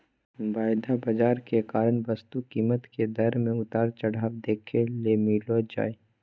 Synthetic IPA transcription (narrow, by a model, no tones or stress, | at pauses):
ʋaːjd̪ʱabɐd͡ʒaːɾkekaːɾəɳʋəst̪ukiːmət̪ked̪ɐɾmẽʊt̪aːɾt͡ʃɐɽaːwd̪eːkʰeleːmiːlod͡ʒa̰ːeː